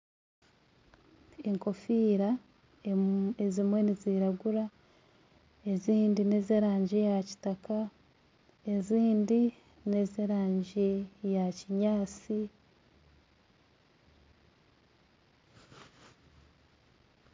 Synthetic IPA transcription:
eŋko̞fiːɾa | ezimwe̞niziɾaɡuɾa | e̞ziːndinezeɾaːɲɟijaci̥taka | e̞ziːndi | ne̞zeɾaːɲɟijaciɲaːt͡si

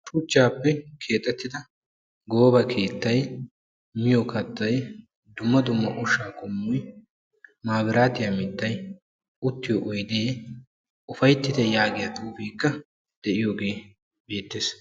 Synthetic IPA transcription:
t̪ʼuːt͡ʃːaːpːɛkʰe̞ːt̪ʼːɛt̪ːɪd̪ɐ | ɡo̞ːbɐkʰe̞ːt̪ːɐj | mɪjokɐt̪ːɐj | d̪ʊmːɐd̪ʊmːɐʔʊʃaːkʰʼʊmːɔj | maːbɪɾaːt̪ɪjɐmɪd̪ːɐj | ʊt̪ːɪjɔʔɔjd̪eː | ʊfɐjt̪ːɪd̪ɛjaːɡɪjɐt̪ʼuːfiːkːɐ | d̪̥ɛʔɪjoːɡe̞ː | be̞ːt̪ːeːs

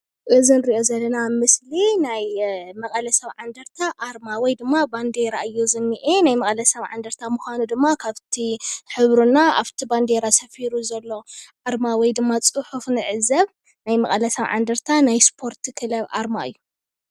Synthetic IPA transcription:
ʔɨzinɨɾiʔo̞zɐlːɐnamɨslinajmɐkʼɐlɐsɐβʕand̪ɐɾt̪ʰaʔaɾmawɔjd̪ɨmːaband̪eɾaɨjːuzɨnːiʔenajmɐkʼɐlɐsɐβʕa̰nd̪ɐɾt̪ʰamuxʷanud̪ɨmːakʰaβt̪ʰiħɨβɾunaaβt̪ʰiband̪eɾasɐfiɾuzɐlːo̞ʔaɾmawɔjd̪ɨmːat͡sʼɨħufnɨʕɨzɐβ | najmɐkʼɐlɐsɐβʕa̰nd̪ɐɾt̪ʰanajspʰo̞ɾt̪ʰikʰɨlɐβʔa̰ɾma̰ɨ̰jːu

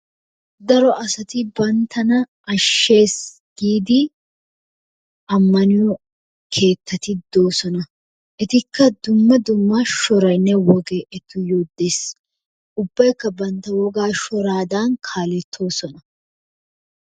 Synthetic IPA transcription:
d̪ɐɾɔʔɐsɐt̪ɪbɐnt̪ʰɐnɐ | ɐʃːe̞ːs | ɡ̥iːd̪ɪ | ʔɐmːɐnɪjɔ | kʰe̞ːt̪ːɐt̪ɪd̪o̞ːsɔnɐ | ʔɛt̪ɪkʰːɐd̪ʊmːɐd̪ʊmːɐʃɔɾɐjnːɛwɔɡeʔɛt̪ːʊjoːd̪ːe̞ːs | ʊbːɐjkːɐbɐnt̪ːɐwɔɡaːʃɔɾaːd̪aːnkʰaːlɛt̪ʰːo̞ːsɔnɐ

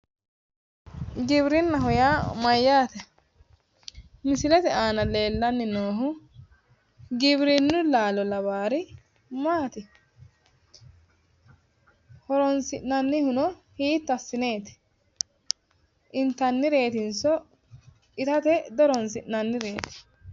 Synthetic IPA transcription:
ɡɪβɾɪnːɐɦɔjamɐjːaːt̪ɛ | mɪsɪlɛt̪ɛaːnɐle̞ːlːɐnːɪnoːɦʊ | ɡɪbɾɪnːʊlaːlɔlɐβaːɾɪ | maːt̪ɪ | hɔɾɔnsɪʔnɐnːɪhʊnɔhiːt̪ːɐsːɪne̞ːt̪ɛ̥ | ʔɪnt̪ɐnːɪɾe̞ːt̪ɪnsɔ | ɪt̪ɐt̪ɛd̪ɔɾɔnsɪʔnɐnːɪɾe̞ːt̪ɛ̥

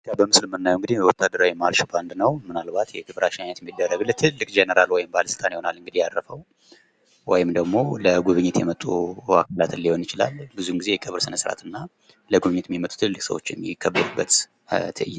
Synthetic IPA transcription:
t̪ːjabəmɨslmɨnːajuŋɡɨd̪ihjɛwɔt̪ʰːad̪ːəɾawimaɾʃband̪nəwmɨnalbat̪jɛkeβɾaʃinanət̪mːid̪ːərːəɡlt̪ʰɨlːɨkʼd͡ʒenəɾalwɔjɪmbaləsɨlt̪ʼanjho̞nalɨŋɡɨd̪ihjaɾːəfəw | wɔjɪmd̪əɡmo̞ləɡuβɨɲːɪt̪jɛmət̪ʼːua̰kʰalat̪ɨnːiho̞njɪt͡ʃɪla̰lbɨzuɨŋɡize̞jɛkʼəβɾsɨnəsɾa̰t̪ʰɨnːa | ləɡuβɨɲːɪt̪mimət̪ʼu̥t̪ʰɨlːɨkʼsə̰wo̞̰t͡ʃːɪmːɪkʰːəbːəɾubːət̪ | t̪ʰɨjː

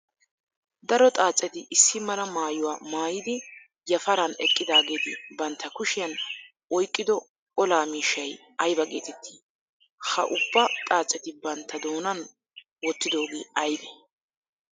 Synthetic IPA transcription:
d̪ɐɾɔt̪ʼaːt͡sʼːɛt̪ɪʔɪsːɪmɐlɐmaːjʊwaːmaːjɪd̪ɪ | jɐfɐɾɐnɛkʼːɪd̪aːɡeːt̪ɪbɐnt̪ʰːɐkʊʃɪjɐn | ɔjkʼːɪd̪ɔ | ɔlaːmiːʃːɐj | ɐjbɐɡeːt̪ɛt̪ʰːi̥ | hɐ̰ʔʊbːɐt̪ʼaːt͡sʼːɛt̪ɪbɐnt̪ːɐd̪oːnɐn | wɔt̪ːɪd̪o̞ːɡḛːɐjb̪ɛ

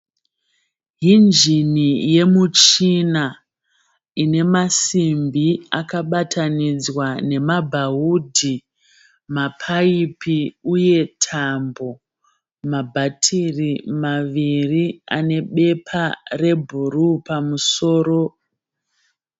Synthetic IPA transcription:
ɦind͡ʒinije̞mut͡ʃina | ine̞masimbiakaɓatʰanid͡zwane̞mabʱaɦudʱi | mapʰaipiuje̞tʰambo̞ | mabʱatʰirimaʋiria̰ne̞ɓe̞pʰare̞bʱuɾupamuso̞ːɾo̞

